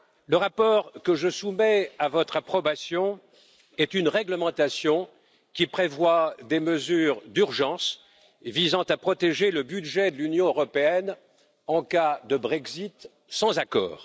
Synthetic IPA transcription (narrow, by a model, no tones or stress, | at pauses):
ləʁapɔʁkəʒəsumɛavɔt̪χapχɔbasjɔ̃ | ɛt̪ynʁɛɡləmɑ̃t̪asjɔ̃ | kʲipχevwad̪eməzyːʁd̪yʁʒɑ̃s | vizɑ̃t̪apχɔt̪eʒeləbyd̪ʒɛd̪əlynjɔ̃øʁɔpeɛn | ɑ̃kad̪əbʁɛɡzit̪ | sɑ̃zakɔ̰ːʁ